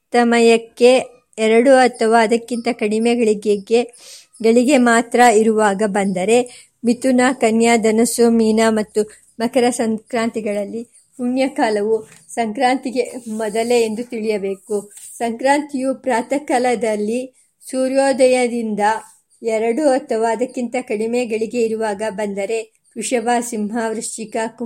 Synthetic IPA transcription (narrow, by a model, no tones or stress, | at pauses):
t̪ɐmɐjɐkːe | ɛɾɐɽuɐt̪ʰɐʋaːɐd̪ɐkːint̪ɐkɐɽimɛɡɐɭiɡeɡe̞ | ɡeɭiɡe̞maːt̪ɾɐiɾuʋaːɡɐbɐnd̪ɐɾe̞ | mit̪unakɐnjad̪ɐnɐsomiːnɐmɐt̪ːu | mɐkɐɾɐsɐŋkɾaːnt̪iɡɐɭɐlːi | puɳjɐkaːlɐʋu | sɐŋkɾaːnt̪iɡe̞mɔd̪ɐleend̪ut̪iɭijɐbe̞ːkusɐŋkɾaːnt̪ijupɾaːt̪ɐkɐlɐd̪ɐlːi | suːɾjoːd̪ɐjɐd̪ind̪ɐ | ɛɾɐɽuɔt̪ːɐʋaːd̪ɐkːint̪ɐkɐɽimeːɡɐɭiɡe̞iɾuʋaːɡɐbɐnd̪ɐɾe̞ | kɾuʂɐbaːsimɦaʋɾɐʂt͡ʃikɐk